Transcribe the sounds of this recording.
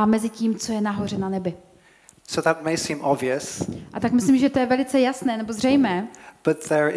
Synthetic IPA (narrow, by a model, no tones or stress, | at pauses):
mɛzɪciːmt͡so̞jɛnaɦo̞r̝ɛnanɛbɪ | soʊðət̚meɪsĩmɔbviəsʔat̪akmɪslimʒɛt̪ojɛvɛlɪt͡sɛjasnɛːnɛbo̞zr̝ɛjmɛːb̥ʌt̪̚ðə